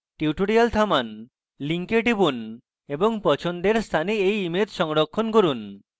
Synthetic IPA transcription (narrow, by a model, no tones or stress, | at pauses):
ʈiuʈoɽialt̪ʰaman | liŋkeʈibun | eboŋpɔt͡ʃʰond̪eɾst̪ʰaneejimet̪ʃɔŋɾokʰːonkoɾun